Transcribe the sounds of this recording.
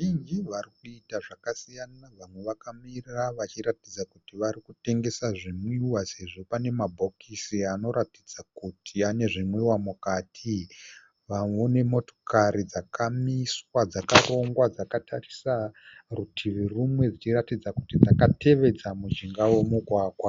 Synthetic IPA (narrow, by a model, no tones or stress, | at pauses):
iŋd͡ʒiʋaɾikuitaʐakasijanaʋamwe̞ʋakamiriraʋat͡ʃiɾatid͡zakutiʋaɾikute̞ŋɡe̞saʐimwiwase̞ʐo̞pane̞mabʱo̞kisiano̞ɾatid͡zakutʰiane̞ʐimwiwamukatʰi | ʋamweone̞mo̞to̞̥kaɾid͡zakamiswad͡zakaro̞ŋɡwad͡zakatʰarisarutʰiʋirumwe̞d͡zit͡ʃiratid͡zakutid͡zakate̞ʋe̞d͡zamud͡ʒiŋɡawe̞muɡʱwaːɡʱwa